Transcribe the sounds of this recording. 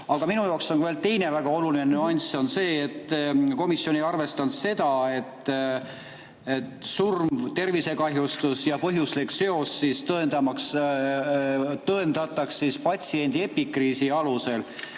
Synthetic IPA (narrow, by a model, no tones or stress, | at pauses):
ɑɡ̥ɑminujɑːkso̞nkuveːlt̪e̞jne̞væɡ̥ɑo̞lulinenyɑnʲso̞nse̞ːet̪ːˑko̞misːjo̞nejɑrve̞st̪ɑnt̪se̞d̪̥ɑe̞t̪ː | et̪surmvt̪e̞rvise̞kɑɦjust̪usjɑpɤɦjuslikse̞o̞sːist̪ɤend̪ɑmɑks | t̪ɤend̪̥ɑt̪ːˑɑksːispɑt̪ʲsie̞nʲd̪̥ie̞pːikriːsiɑluse̞l